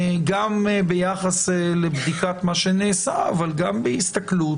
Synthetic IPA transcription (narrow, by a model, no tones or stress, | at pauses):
ɡambejaχaslebd̪ikat̪maʃeneːsaavalɡambehist̪aklu